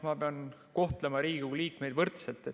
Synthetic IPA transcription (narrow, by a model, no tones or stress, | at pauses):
mɑpeɑnko̞ht̪lemɑɾiːɡuliːkme̞jd̪vɤrt̪selt̪ˑːe